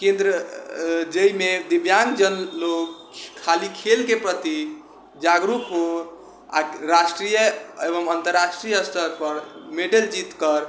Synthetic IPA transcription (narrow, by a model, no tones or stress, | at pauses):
kẽnd̪ɾə | d͡ʒeimed̪ibjaŋɡd͡ʒənlokʰː | alikʰelkepɾət̪i | d͡ʒaɡɾupɦo | a̰ɾasʈɾijəeβəmənt̪əɾːasʈɾijəst̪əɾpəɾmeɖeld͡ʒit̪kəɾ